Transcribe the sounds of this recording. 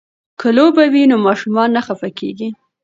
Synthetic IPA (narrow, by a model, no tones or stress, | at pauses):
kəlobawinomɑʃumɑnːaxafakeɡi